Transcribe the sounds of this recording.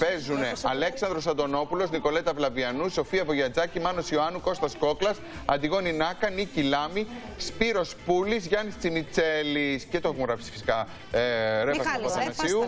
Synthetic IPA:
pe̞zune̞ɐleksɐnd̪ɾo̞s̬ɐnd̪o̞no̞pulo̞zniko̞le̞t̪ɐvlɐviɐnuso̞fiɐvo̞ʝɐd͡zɐcimɐno̞sioɐnuko̞st̪ɐsko̞klɐs | ɐ̰d̪iɣo̞ninɐkɐnicilɐmi | spiɾo̞spulizʝɐnist͡simit͡se̞liscet̪oxmoɾɐpi̥si̥fisi̥kɐ | ɾevɐspɐsɐnɐsiu

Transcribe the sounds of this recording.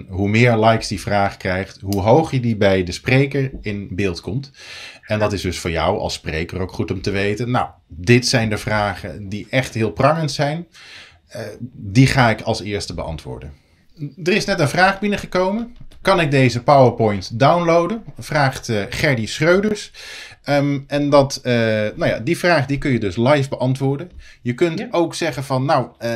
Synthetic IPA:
ɦumɪːɹlɑjksdivraːχkrɛjχtɦuɦowχjədibɛjdəsprejkəɹɪnbɪːlˠtkɔmtɛndɑtɪzdɵsfʊːɹjʌwɑ̰lˠsprejkərowkχutɔmtəʋejtənːa̰wdɪtsɛjndəɹvraːχə̰diʔɛχtɦɪːlˠprɑŋənsɛjn | diχaːɪkɑlˠsɪːɹstəbəɑ̰ntʋʊ̰ːɹdən | dərɪsnɛtənvraːχbɪnəχəkowmənkɑnɪɡ̚dejzəpawəɹpɔjntdawnlowdənv̥raːχtχɛɹdisχrøɥdəɹs | ɛndɑtnawja̰ːdivraːχdikɵnjədɵslajvbəʔɑntʋʊːɹdənjəkɵntowksɛχənvɑnːaw

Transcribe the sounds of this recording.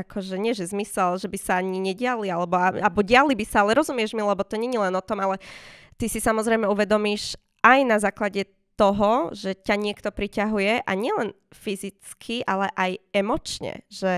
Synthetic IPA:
akʰɔʒɛɲɪɛʒɛzmisɛlʒɛbisaaɲiɲɛɟɪalialɛbɔaabɔɟɪalibisaalɛɾɔzumɪɛʒmilɛbɔt̪ɔɲɛɲilɛnɔt̪ɔmalɛ | t̪isisamɔzɾɛjmɛuʋɛd̪ɔmiːʃ | ʔajnazaːklaɟɛ | t̪ɔɦɔʒɛcaɲɪɛkt̪ɔpɾicaɦujɛʔaɲɪɛlɛn | fizit͡skʰiʔalɛʔajɛmɔt͡ʃɲɛ̰ʒɛ

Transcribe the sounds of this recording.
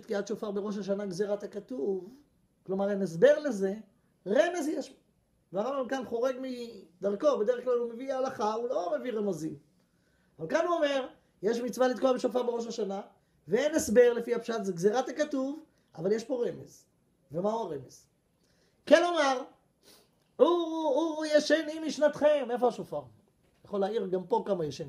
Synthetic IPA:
t̪kiat̪ʃofaʁbe̞ʁo̞ʃaʃ̬anaɡzeʁat̪akat̪uv | klo̞maʁenes̬be̞ʁle̞ze̞ | ʁe̞me̞zjeʃ | veaʁambamkanχo̞ʁe̞ɡmid̪aʁko̞be̞d̪eeχklalumeviaːlaχaulo̞me̞viʁemazim | avalkanuome̞ʁ | jeʃmit͡svalit̪̚koabeʃofaʁbe̞ʁo̞ʃ̬aʃana | veenesbe̞ʁle̞fihapʃat̪zeɡzeʁat̪akat̪uv | avaljeʃpo̞ʁe̞me̞̰z | vemauaʁe̞me̞z | kenomaʁ | uujeʃenimiʃnat̪χeme̞fo̞aʃofaʁ | jaχo̞laiʁɡampo̞kamajeʃen

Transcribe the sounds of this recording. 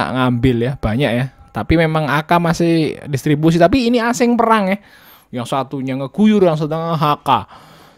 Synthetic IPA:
a̰ʔŋambɪljab̥aɲakjat̪apimemaŋakamasɪhdist̪ɾibus̬it̪apiːniasɪŋpəɾaŋjah | jaŋsat̪uɲaŋəɡ̥ujʊrjaŋs̬wat̪̬uɲaəɦaka

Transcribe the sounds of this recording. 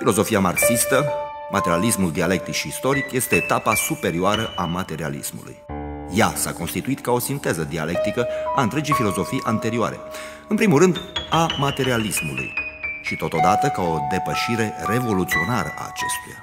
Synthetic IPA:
filo̞zo̞fiamarksist̪ə | mat̪e̞ɾialismuld̪iale̞k̚t̪ikʃiːst̪o̞ɾikje̞st̪e̞ːt̪apasupe̞ɾioaɾəʔamat̪e̞ɾia̰lḭsmṵlṵjjasa̰ko̞nst̪it̪uit̪kao̞sint̪e̞zəd̪ia̰le̞k̚t̪ikəaɨnt̪ɾe̞d͡ʒejfilo̞zo̞fijʔant̪e̞ɾioa̰ɾe̞̰ | ɨnpɾimulrɨnd̪amat̪e̞ɾialismṵlṵjʃit̪o̞t̪o̞d̪at̪əkao̞d̪e̞pəʃiɾe̞re̞vo̞lut̪sio̞naɾə̰ʔa̰ːt͡ʃe̞̰st̪uja̰

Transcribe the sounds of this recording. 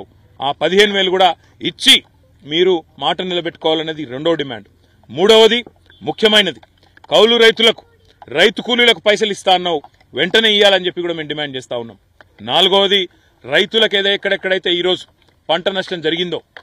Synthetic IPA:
a̰ːpɐd̪iɦe̞ːnuʋeːlukuːɽaː | it͡ʃːi | miːɾumaːʈɐnilɐbeʈːu̥kɔːʋaːlɐnːɐd̪iɾe̞ɳɖo̞ːɖima̰ːɳɖ | muːɽɐːʋɐd̪i | mukʰjɐmɐjnɐd̪i | kɐwluɾɐjt̪ulɐku̥ | ɾɐjt̪ukuːlilɐkupɐjs̬ɐlist̪aːɐnːɐu | ʋeɳʈɐne̞ːijaːlɐɲt͡ʃe̞pːikuːɽaːme̞ːmɖimaːɳɖ̚t͡ʃɛːst̪aːunːa̰ːm | naːluɡoːʋɐd̪i | ɾɐjt̪ulɐkeːd̪eːɛkːɐɽɛkːɐɽɐjt̪eːiːɾo̞ːd͡ʒu̥ | pɐɳʈɐnɐʂʈɐmd͡ʒɐɾiɡind̪oː

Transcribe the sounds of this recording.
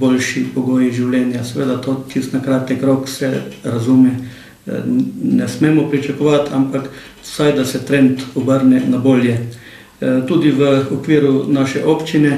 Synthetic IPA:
bolʲʃipɔɡoːjiʒiwljɛːnjasɛʋeːd̪at̪oːt͡ʃist̪nakɾaːt̪ɛkɾoksɛɾazumɛ | nɛsmeːmɔpɾit͡ʃakɔʋat̪ampak | sajd̪asɛt̪ɾɛnt̪ɔbəɾnɛnaboːljɛ | t̪uːd̪iʋəɔkʋiːɾunaːʃɛʔoːpt͡ʃinɛ

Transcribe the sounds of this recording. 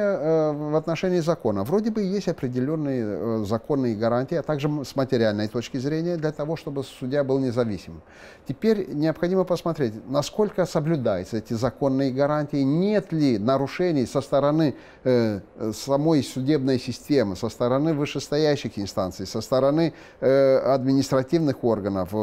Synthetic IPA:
əvɐt̪nɐʂɛnʲɪɪzɐko̞nəvɾo̞dʲɪbɨjesʲtʲɐpɾʲɪdʲɪlʲo̞nːɨjəzɐko̞nːɨjəɡɐɾanʲtʲɪjɐt̪aɡʐɨsmətʲɪɾʲɪalʲnəjt̪o̞t͡ɕkʲɪzɾʲenʲɪjəd̪lʲɐt̪ɐvo̞ʂt̪o̞bɨsʊdʲjabɨlˠnʲɪzɐvʲisʲɪmɨm | tʲɪpʲeɾʲnʲɪəpxɐdʲiməpəsmɐt̪ɾʲetʲnɐsko̞lʲkəsəblʲʊd̪ajʊt̪səɛtʲɪzɐko̞nːɨjəɡɐɾanʲtʲɪjɪnʲe̞t̪lʲɪnəɾʊʂɛnʲɪjsəst̪əɾɐnɨ | sɐmo̞jsʊdʲe̞bnəjsʲɪsʲtʲe̞mɨsəst̪əɾɐnɨvɨʂɨst̪ɐjæɕːɪxɪnst̪ant̪sɨjsəst̪əɾɐnɨ | ɐd̪mʲɪnʲɪst̪ɾɐtʲivnɨxo̞rɡənəf

